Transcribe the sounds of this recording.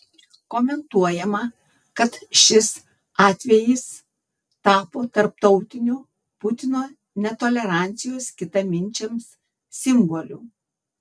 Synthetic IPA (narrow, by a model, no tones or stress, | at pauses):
koːmʲɛnt̪uɔjɛmɐ | kɐt̪ʃʲɪs | ɑːt̪ʲʋʲɛjɪs | t̪ɑːpoːt̪ɐɾp̚t̪ɒʊt̪ʲɪnʲuː | pʊt̪ʲɪnoː | nʲɛt̪oːlʲɛɾɑˑnʲt̪sʲɪjoːskʲɪt̪ɐmʲɪnʲˑt͡ʃʲɛms | sʲɪmbolʲuː